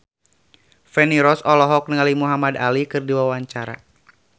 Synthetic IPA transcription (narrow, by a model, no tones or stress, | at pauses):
fɛniɾɔsɔlɔɦɔk̚nəŋalimuɦamadalikɨrdiwawaɲt͡ʃaɾa̰